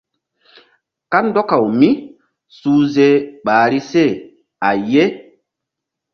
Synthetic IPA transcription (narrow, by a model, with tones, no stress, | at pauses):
ka˦ndɔ˦ka˨wmi˦ | suː˦ze˦ɓaː˨ɾi˦se˦˨ | a˨je˦